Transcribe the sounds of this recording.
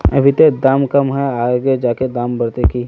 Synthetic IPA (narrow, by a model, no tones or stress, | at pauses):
ɐ̰bʱɪt̪ed̪aːmkɐmɦɛaːɡed͡ʒaːked̪aːmbɐɾt̪ekiː